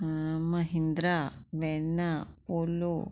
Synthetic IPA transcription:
mɐɦind̪ɾaʋenaolu

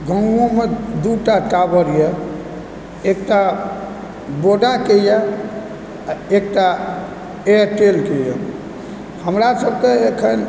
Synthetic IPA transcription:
ɡʱə̃ŋɡõmed̪uʈaʈabəɾije | ek̚ʈa | boɖakejɛ | ek̚ʈa | eʈelkejɛ̰ | həmɾasəbkeekʰən

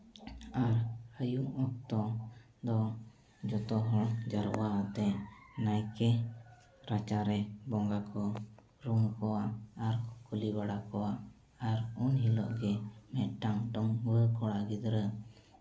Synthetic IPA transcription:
aɾhəjuŋɔk̚t̪ɔ | d̪ɔ | d͡ʒɔt̪ɔɦɔd͡ʒaɾwaət̪ɛʔnajkɛ | ɾat͡ʃaɾɛbɔŋɡakʰɔ | ɾuŋkɔwaʔaɾkulibaɽakɔwaʔ | aɾunɦilɔ̰ʔɡɛmɛt̪̚ʈaŋɖɔŋbəkɔɽaɡid̪ɾə

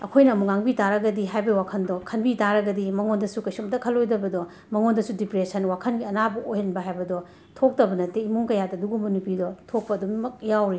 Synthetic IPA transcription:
ɐkʰojnɐːmuŋaŋbitaɾɐɡɐdiɦajbɐiwakʰɐndɔkʰɐnbitaɾɐɡɐdimɐŋondɐsukɐjsumdɐkʰɐlːojdɐbɐdɔ | mɐŋondɐsudipɾesɐnwakʰɐnɡiɐnabɐʔojhɐnbɐɦajbɐdɔ | tʰok̚tɐbɐnɐteimuŋkɐjadɐɐduɡumɐnupidɔtʰok̚pɐːdummɐk̚jawɾi

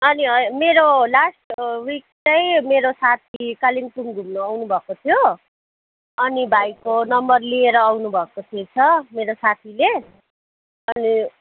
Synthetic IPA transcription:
ʌniʌmeɾolasʈwik̚t͡sʌjmeɾosat̪ʰikaliŋʈumɡʱumnoawnubʱʌkot̪ʰijo | ʌnibʱajkonʌmbʌrlieɾʌːwnubʱʌkot̪ʰet͡sʰʌmeɾosat̪ʰile | ʌni

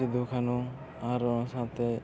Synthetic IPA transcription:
id̪ʱukʰanu | aɾɔnsat̪e

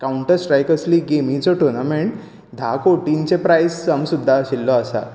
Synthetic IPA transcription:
kauɳʈəɾsʈɾajkəsliɡemĩt͡sɔʈuɾnameɳʈ | d̪ʱakoʈint͡ɕẽpɾajsəmsud̪ʱːaɕilːɔasa̰

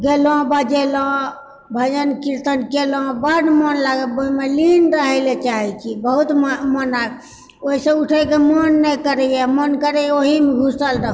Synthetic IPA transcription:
ɡelɔ̃bəd͡ʒelɔ̃ | bʱəd͡ʒənkiɾt̪ənkelɔ̃bəɖmənlaɡəlboimelinɾəɦəlet͡ʃaɦɛt͡ʃʰibəɦut̪mmənaɡ̚ | oɦisẽuʈʰəkemənːɛjkəɾɛjamənkəɾɛoɦimɡʱusəlɾəɦu

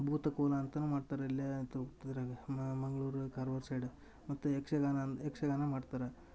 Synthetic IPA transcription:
bʱuːt̪ɐkoːlɐːnt̪ɐnumaːɖt̪aːɾeilːit̪uid̪ɾemɐŋɡɐɭuːɾukaːɾʋɐɾsɐjɖe | mɐt̪ːuekʂeɡanɐekʂɐɡaːnɐmaːɖt̪aːɾe

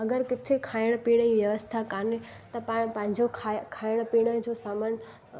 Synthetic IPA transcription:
ɐɡəɾkɪt̪ʰekʰaːɪɽ̃piːɽ̃əĩʋjɐʋəst̪ʰakaːne | t̪ɐpaːɽ̃pɐ̃ɦɪ̃ɲd͡ʑokʰakʰaːɪɽ̃piːɽ̃əd͡ʑosaːmən

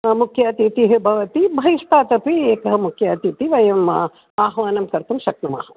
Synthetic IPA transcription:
mukʰjaːt̪iːt̪iɦbʱɐʋɐt̪ibʱɐʋiʂt̪aːt̪ɐpieːkɐɦɐmukʰjaːt̪iːt̪iʋɐjɐm | aːɦʋaːnɐmkɐɾt̪umʃɐkɳɐma̰ːɦɐ

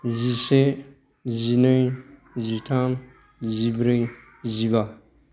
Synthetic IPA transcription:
zise | zinɯj | zitʰan | zibɾɯj | ziba

